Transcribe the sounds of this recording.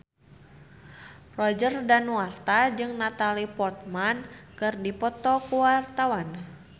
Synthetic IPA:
rɔd͡ʒərdanwart̪ad͡ʒɨŋnat̪alipɔrt̪̚mankɨrdipɔt̪ɔkuwart̪awan

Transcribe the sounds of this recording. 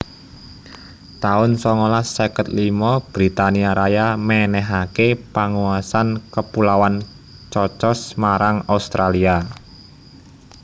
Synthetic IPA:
t̪aʊnsɔŋolasekət̪limɔb̥ɾit̪aniaɾajamɛnɛɦakepaŋuasankəpulawan | t͡ʃɔt͡ʃɔsmaɾaŋaust̪ɾalia

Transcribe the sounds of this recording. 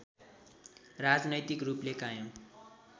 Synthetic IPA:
rad͡znʌjt̪ikruplekajʌm

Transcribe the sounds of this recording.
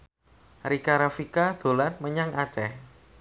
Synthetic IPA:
ɾikaɾafikad̪̥o̤lanməɲaŋʔat͡ʃɛh

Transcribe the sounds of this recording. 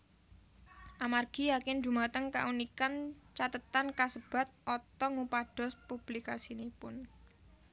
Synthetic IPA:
ʔamarɡ̥i̤jakɪnd͡ʒṳmat̪əŋka̰ʔunikant͡ʃat̪ət̪ankasəb̥a̤t̪̚ʔɔt̪ɔŋupaɖ̥ɔ̤spub̥likasinepʊn

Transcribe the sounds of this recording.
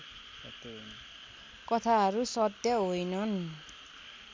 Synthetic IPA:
sʌt̪ʌon | kʌt̪ʰaɦʌɾusʌt̪jʌɦojnʌn

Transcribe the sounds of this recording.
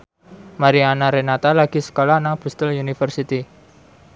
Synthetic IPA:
maɾianaɾenat̪alaɡ̥isə̥kolanab̥ṳst̪əlunifərsit̪i

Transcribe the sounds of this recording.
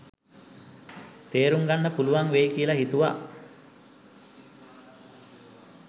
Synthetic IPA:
t̪eːɾuŋɡanːəpuluʋaŋʋejkiːlaɦit̪uʋa̰

